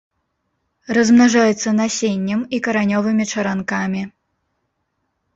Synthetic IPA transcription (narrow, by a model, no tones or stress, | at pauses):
rɐzmnaʐajɛt̪sːɐnasʲenʲːɐmikɐɾanʲɔvɨmʲit͡ʂɐɾankamʲi